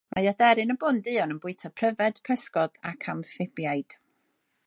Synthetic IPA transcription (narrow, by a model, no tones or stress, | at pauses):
mʔajadɛɾɨnəbʊndɨɔnənbʊɨtʰapʰrəvɛd̥pʰəskɔd̥akʰamfɪbjajd̥